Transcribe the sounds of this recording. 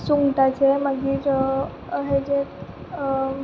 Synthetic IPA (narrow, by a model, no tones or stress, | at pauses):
suŋɡʈat͡ɕeməɡiːɾ | əɦed͡ʑe